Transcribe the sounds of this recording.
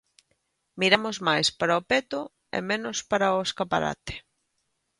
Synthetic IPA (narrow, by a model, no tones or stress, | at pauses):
miɾamʊzmajspaɾaopet̪ʊ | ḛmenʊspaɾaoeskapaɾa̰t̪e̥